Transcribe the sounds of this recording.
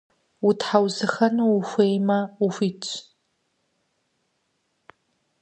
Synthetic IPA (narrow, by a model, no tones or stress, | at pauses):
utħawzɨxɐnuːxʷeːjmɐuxʷiːt͡ʃʰʼ